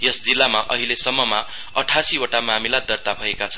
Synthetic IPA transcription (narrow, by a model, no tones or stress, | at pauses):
jʌsd͡zilːamaʔʌɦilesʌmːʌma | ʌʈʰasioʈamamilad̪ʌrt̪abʱʌekat͡sʰʌ